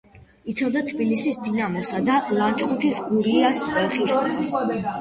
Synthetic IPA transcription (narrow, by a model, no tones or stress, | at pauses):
it̪sʰavd̪at̪ʰbilisisd̪inamɔsad̪alˠant͡ʃʼqʼut̪ʰisɡuɾiasʼɛχiis